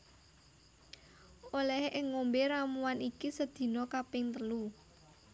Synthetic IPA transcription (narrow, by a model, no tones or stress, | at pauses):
olɛhʔɪŋːombeɾamuwanikisəd̪̥i̤nɔkapɪŋt̪əlu